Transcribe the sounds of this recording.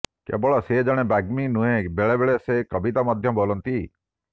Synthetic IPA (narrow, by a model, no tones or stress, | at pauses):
kḛbɔɭɔsed͡ʒɔɽ̃ebaɡminũɦẽbeɭebeɭesekəbit̪amɔd̪ʱjɔbolɔnt̪i